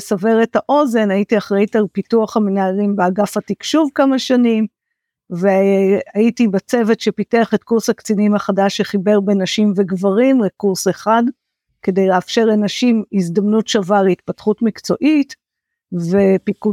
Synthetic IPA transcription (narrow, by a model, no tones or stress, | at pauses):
save̞ʁetaʔo̞ze̞naitiaχʁejtalpituaχhamenaalimbeaɡafatikʃuvkamaʃanim | veaitibat͡se̞vetʃepiteaχetkuʁshakt͡sinimaχadaʃeχibe̞ʁbenaʃimveɡvaʁimlekuʁseχad | ke̞de̞jleafʃe̞ʁenaʃimizdamnutʃavaleit̚patχutmikt͡so̞ʔit | vepiku